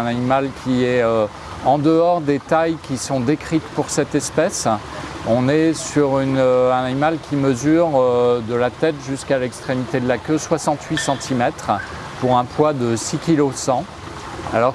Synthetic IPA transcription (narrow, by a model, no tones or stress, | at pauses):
ɛ̃nanimalkʲiɛø | ɑ̃d̪əɔʁd̪et̪ajkʲisɔ̃d̪ekχit̪puʁsɛt̪ɛspɛs | ɔ̃nɛsyʁynøɛ̃nanimalkʲʰiməzyʁød̪əlat̪ɛt̪ʒyskalɛkst̪χemit̪ed̪əlakʲøswasɑ̃t̪ʰɥisɑ̃t̪ʰimɛt̪χ | puʁɛ̃pwad̪əsikʲilosɑ̃ | a̰lɔʁ